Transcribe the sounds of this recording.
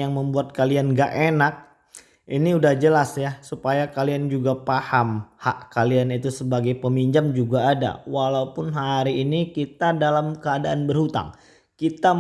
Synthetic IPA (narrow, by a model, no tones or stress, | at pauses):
jaŋməmbuat̪̚kalianɡaʔenak̚ | ʔiniudahd͡ʒəlasjasupajakaliand͡ʒuɡapahamhaʔkalianit̪usəbaɡajpəmiɲd͡ʒamd͡ʒuɡaːda̰walaupʊnɦaaɾiːnikit̪adalamkəadaʔanbərhut̪a̰ŋ | kit̪a